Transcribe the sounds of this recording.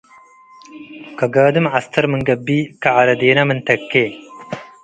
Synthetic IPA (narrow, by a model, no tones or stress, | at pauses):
kɐɡaːd̪ɨmɐst̪ʰɐɾməŋɡɐbiːkɐɐɾɐd̪eːnɐmɨnt̪ɐkːe